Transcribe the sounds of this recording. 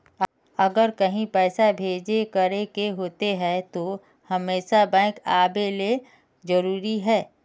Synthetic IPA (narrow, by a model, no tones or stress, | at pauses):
ɐɡəɾkɐɦĩpɛːsabʱeːd͡ʒekɐɾekeɦoːt̪eɦɛ̃t̪o | hɐmeːʃabɛ̃ːkaːbele | d͡ʒɐɾuːɾiɦɛː